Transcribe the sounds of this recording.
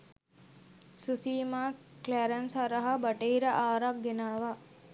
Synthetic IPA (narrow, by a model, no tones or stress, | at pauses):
susiːmaːkleɾensaɾəɦɐbɐʈeiɾəʔaːɾak̚ɡenaːʋa